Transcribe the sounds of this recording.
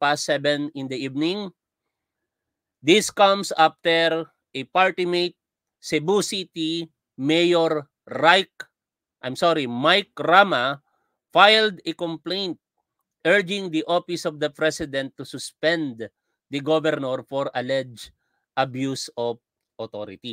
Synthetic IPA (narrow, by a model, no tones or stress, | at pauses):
pasɛbɛ̃nɪ̃nd̪ɐivnɪ̃ŋ | d̪iskʌ̃msaft̪ɛɹ | ʔɛpaɹt̪ɪmejt̪̚ | sɛbusit̪i | mejɔɹː | ajk | ʔajmsɔɾimajk̚ɹama | fajld̪ɛkɔ̃mplẽjnt̪̚ | ʔɛɹd͡ʒɪ̃ŋd̪iʔofɪsɔvd̪ɐpɹɛsɪd̪ɛ̃nt̪ːusʊspɛ̃nd̪ | d̪ɐɡovɛɾnɔɹfɔɹɐlɛd͡ʒ | ʔɐbjusɔv | ʔɔt̪oɾɪt̪i